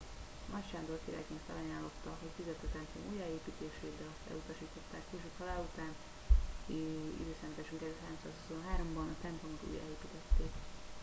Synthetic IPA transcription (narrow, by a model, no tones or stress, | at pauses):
mʔɒtt͡ʃaːnd̪orkiɾa̰jkeːnfɛ̰lɒjaːlːot̪ːɒɦocfyzøt̪ːɛt̪ɛmplo̰mʔuːjaeːpiːt̪eːʃeːd̪ɒlɒst̪ɛ̰lut̪ɒʃiːt̪o̞t̪ːaːkkeʃut̪ʰɒlaːut̪aːn | ḭd̪øːsɛmt̪aːʃyŋkɛzɛɦaːɾo̞msaːsusonɦaːɾo̞mbɒnɒt̪ɛmplo̞mot̪ṵːja̰ːeːpiːt̪ɛt̪ːeːk